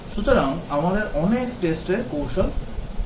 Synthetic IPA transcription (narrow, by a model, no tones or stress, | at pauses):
ʃut̪oɾaŋamad̪eɾʔɔnekʈesʈeɾkowʃon